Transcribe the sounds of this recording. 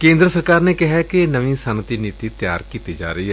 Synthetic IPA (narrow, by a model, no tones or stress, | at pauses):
kẽːnd̪ɾəsəɾkaːɾneːkɪɦɛːkenəʋĩːsənət̪iːniːt̪iːt̪ja̰ːɾkiːt̪iːd͡ʒa̰ːɾəiːɦɛː